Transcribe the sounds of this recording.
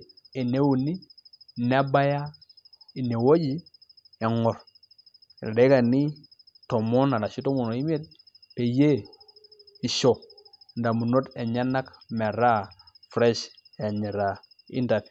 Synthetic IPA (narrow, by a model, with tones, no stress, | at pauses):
e˨ne˦wu˨ni˦˨na˦ba˦ja˦i˨ne˨wo˦d͡ʒi˦ | ɛ˨ŋɔ˨ɾ | de˨˦ka˨ni˦ | tɔ˨mɔ˦na˨ɾa˨ʃi˦to˦mo˨no˨i˦m˦e˦t̚ | pe˨je˦ | i˨ʃo˨nda˨mu˨no˦tɛ˨ɲa˦na˦km˨a˨ɾa˦ | fɾɛ˦ʃ | a˨ɲɛ˨ɾa˨ | ḭ˦nda˨t